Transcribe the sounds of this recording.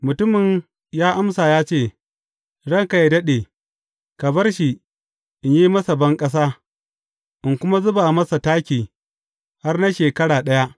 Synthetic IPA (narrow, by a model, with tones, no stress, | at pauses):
mʊ˨tʊ˦mɪ˨ɲ | jaː˦ʔa˦msaː˨jaː˦t͡ʃeː˦˨ | ɽɐ˦ŋka˨je˨dɐ˦ɗeː˨ | kɐ˨bɐ˦rʃi˨ | ʔɪ˨ɲjiː˦mɐ˦sa˨bɐ˦ŋkʼɐ˦s̬aː˦ | ʔɪ˨ŋkʷʊ˦ma˦zʊ˦baː˨mɐ˦sa˨taː˦kʲiː˨ | ha˦rna˦ʃeː˨kɐ˦ɽaː˨ɗɐ˦ja˦ʔ